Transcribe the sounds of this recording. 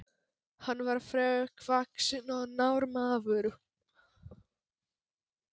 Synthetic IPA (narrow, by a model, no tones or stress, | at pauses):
hanːvaɾ̥fɾɛːʏkʰvaksɪnɔðnawɾmaːvʏɾʏ